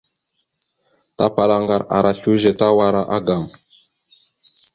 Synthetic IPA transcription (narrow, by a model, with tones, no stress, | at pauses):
ta˦pa˨la˦ŋɡa˨ɾa̰˨ɾʔa˨ɬu˦ʒɛ˨ta˦wa˦ɾa˦ʔa˦ɡa˨m